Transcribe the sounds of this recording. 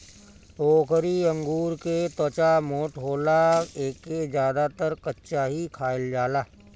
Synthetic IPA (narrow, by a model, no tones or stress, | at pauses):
oːkʰɾiə̃ŋɡuːɾket̪ot͡ʃamoːʈɦoːlaeːkːezjaːd̪at̪əɾkətːʃaɦikʰaːɪld͡ʒaːlaː